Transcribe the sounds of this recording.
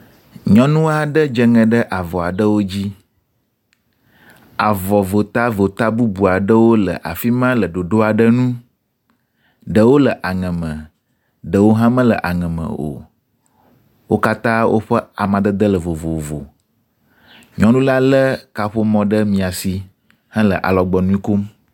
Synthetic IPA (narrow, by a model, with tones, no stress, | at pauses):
ɲɔ̃˦nũ˦a˦ɖə˦d͡ʒə˦ŋɛ̃˨ɖə˦ʔa˨vɔ˨a˨ɖə˦wo˦d͡ʑi˦ | a˨vɔ˨vo˨t̪a˦vo˨t̪a˦bu˦bu˨a˨ɖə˦wo˦lə̰˨ʔa̰˨fi˦mã˦lə˨ɖo˨ɖo˦a˨ɖə˦nũ˦ | ɖə˨wo˦lə˨ʔa˨ŋɛ̃˨mə̃˨ | ɖə˨wo˦ɦã˦mə̃˦lə̰˨ʔa˨ŋɛ̃˨mə̰̃˨o̰˨ | wo˦ka˦t̪ã˦wʔo̰˦ɸə˦a˨mã˨d̪ə˦d̪ə˦lə˨vo˨vo˨vo̰˨ | ɲɔ̃˦lũ˦la˦lə˦ka˨ɸo˦mɔ̃˨ɖə˦mĩ˨a˨si˨ | hɛ̃˦lə̰˨ʔa̰˨lɔ˨ɡ͡bɔ˨nũ˦i˦ko˦m